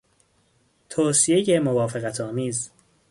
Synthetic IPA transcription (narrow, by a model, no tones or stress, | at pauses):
t̪ʰoːsijejemovɒːfeɣæt̪ʰɒːmiːz